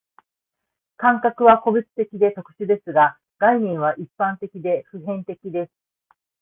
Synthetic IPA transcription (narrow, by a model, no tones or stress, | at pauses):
kãŋkakɯ̟βako̞bʲɯt͡sɨ̥t̪e̞kʲid̪e̞t̪o̞kɯ̟̥ɕɨd̪e̞sɨɡa | ɡ̥aiɲ̟ĩɰ̃βaʔipːãnt̪e̞kʲid̪e̞ɸɯ̟ɦẽ̞nt̪e̞kʲid̪e̞sɨ̥